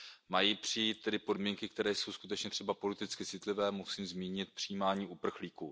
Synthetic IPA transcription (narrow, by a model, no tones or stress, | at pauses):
majipr̝̥ɪjit̪̚t̪ːɛdɪpo̞dmiːŋkɪk̚t̪ɛɾɛːjso̞wskut̪ɛt͡ʃɲɛt̪r̥ɛbapo̞lɪt̪ɪt͡skɪt͡sɪt̪lɪvɛːmusiːmzmiːɲɪt̪̚pr̝̥ɪjiːmaːɲiːʔupr̩xliːkuː